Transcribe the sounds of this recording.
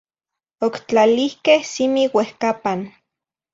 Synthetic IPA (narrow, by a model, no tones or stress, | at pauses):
okt͡ɬalihkehsimiwehkapan